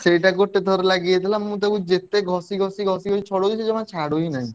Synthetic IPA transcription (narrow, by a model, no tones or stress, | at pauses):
ʃejʈakoʈʈ̪ːed̪ʱɔɾelaɡijet̪ilammut̪̬ebud͡ʑet̪ːeɡʱɔsiɡʱɔsiɡʱɔsiɡʱɔsit͡ɕʰɔɽoit͡ɕʰed͡ʑɔmat͡ɕʰaɽojnaj